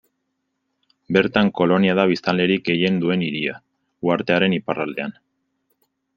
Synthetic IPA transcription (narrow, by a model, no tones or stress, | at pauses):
be̞ɾt̪aŋko̞lo̞niaðaβist̪anle̞ɾik̚ɡe̞je̞nd̪ue̞niɾia̰ | uaɾt̪e̞aɾe̞niparald̪e̞an